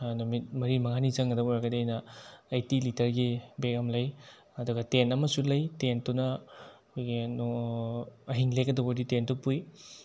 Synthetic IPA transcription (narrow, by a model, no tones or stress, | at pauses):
numit̚mɐɾimɐŋanizɐŋɡɐdɐbɔjɾaɡɐdiɐjnɐːjtilitʰɐɾɡibekɐmlɐj | ɐduɡɐtenɐmɐsulɐjtentunɐkʰojɡin | ɐɦiŋlekɐdoboditentupuj